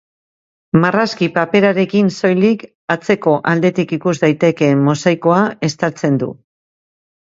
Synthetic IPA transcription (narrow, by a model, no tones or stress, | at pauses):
maraskipape̞ɾaɾe̞kinso̞jlik | at͡se̞ko̞ʔald̪e̞t̪ikikuzd̪ajt̪e̞ke̞mːo̞sajko̞ae̞st̪aɾt͡se̞nd̪ṵ